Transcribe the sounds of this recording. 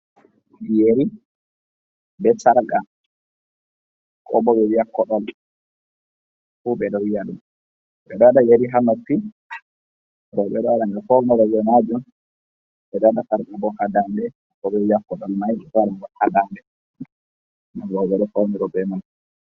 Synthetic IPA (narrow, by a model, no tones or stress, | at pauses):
jeɾi | bɛsaɾka | kʼɔ̰bɔbɛwijakːɔɗɔl | fubɛɗɔwjaɗum | ɓɛɗɔaɗajeɾiɦanotːi | ɾɔɓɛɗɔwaɗanɡafɔwnɔɾɔjɔnad͡ʒun | ɓɛɗɔɗasaɾɡabɔhadandɛ | kɔbɛwijakːɔɗɔlmajɛfaɾabɔhadandɛ | naɾɔɓɛɗɔfɔwniɾɔbɛnan